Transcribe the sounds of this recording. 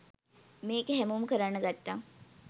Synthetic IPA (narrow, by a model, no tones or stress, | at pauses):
meːkeɦæmumkəɾanːəɡat̪ːaŋ